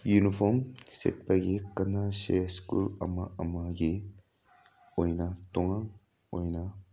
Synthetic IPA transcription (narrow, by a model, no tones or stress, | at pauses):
junifomsḛt̪̚paɡekɐnaʃeskṵlɐ̰maɐmaɡe | ojnat̪oŋaŋ | ojna